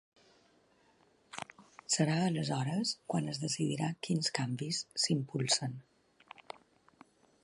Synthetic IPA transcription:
səɾaələzɔɾəskwanəzðəsiðiɾakinskambisːimpulˠsən

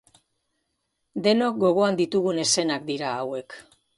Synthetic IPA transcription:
d̪e̞nok̚ɡo̞ɣ̞o̞and̪it̪uɣ̞une̞se̞nak̚d̪iɾaːwe̞k

